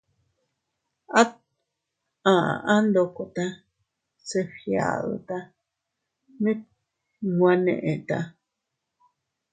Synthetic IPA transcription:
a˦ | ã˨˧ʔã˦nd̪o˧ko˧t̪a˧ | se˧fja̰˨ðo̰˧t̪a˧ | nĩ˦ | ŋɡʷã˧nḛ̃˧˨ʔẽ˨t̪a˧

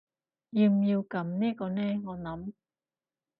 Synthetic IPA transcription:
jiː˧mji˧wkɐ˨˥mniː˥kɔː˧nɛː˥ŋɔː˨˧nɐ˨˥m

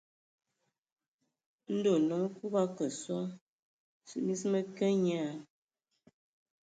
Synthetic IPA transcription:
n̩˦do˨nɔ˨˦ku˦ba˦kə˨swɔ˦ | sɨ̰˦ʔmi˦smə˦kə˦ɲa˦˨

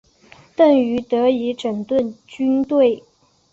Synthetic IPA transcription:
t̪ə˥˩ŋy˧˥t̪ɤ˧˥i˧˥ʈ͡ʂə˨˩ŋt̪wə˥˩nt͡ɕy˥nt̪we˥˩ɪ

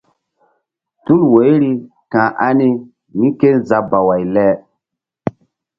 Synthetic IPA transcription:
tu˦lwe˨˦jɾi˦ | kã˨ʔa˦ni˦ | mi˦ke˦nza˨ba˨wa˨jlɛ˦

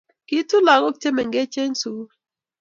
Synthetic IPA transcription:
ki˦tu˦la˨kɔ˦k̚t͡ʃe˦mɛ˨ŋɡɛ˦t͡ʃe˦ɲsu˨˦

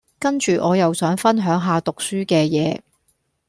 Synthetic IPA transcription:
kɐ˥nt͡ʃyː˨ʔɔː˨˧jɐ˨wsœː˨˥ŋfɐ˥nɦœː˨˥ŋɦaː˨˧t̪ʊ˨k̚syː˥kɛː˧jɛː˨˧

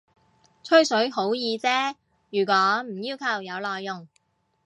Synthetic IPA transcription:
t͡ʃʰɵ˥ɥsɵ˨˥ɥɦo˨˥wjiː˧t͡sɛː˥ | jyː˨˩k̬ʷɔː˨˥m̩˨˩jiː˥wkʰɐ˨˩wjɐ˨˧wlɔː˨jːʊ˨˩ŋ

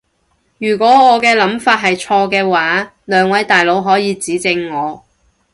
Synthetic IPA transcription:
jyː˨˩kʷɔː˨˥ŋɔː˨˧kɛː˧lɐ˨˥mfaː˧t̚ɦɐ˨jt͡ʃʰɔː˧kɛː˧waː˨˥ | lœː˨˧ŋwɐ˨˥jt̪aː˨jlo˨˧˥wɦɔː˨˥jiː˨˧t͡siː˨˥t͡sɪ˧ŋːɔː˨˧˦

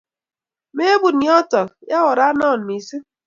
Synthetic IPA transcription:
me˦e˦bu˨n˨jɔ˦tɔ˨kja˦wɔ˨ɾa˦nɔ˦˨n̩˨mi˨si˦

